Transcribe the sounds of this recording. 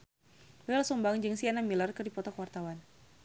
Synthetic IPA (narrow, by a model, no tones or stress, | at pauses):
bɛlsɔmbaŋd͡ʒɨŋsianamilərkɨrdipɔt̪ɔkəwart̪awan